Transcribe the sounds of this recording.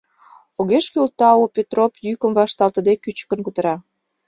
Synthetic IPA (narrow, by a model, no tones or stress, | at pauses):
oɣeʃkylt̪ɑopʲet̪ropjykəmβɑʃt̪ɑlt̪ə̆d̪ekyt͡ɕkə̆nkut̪ə̆ɾɑ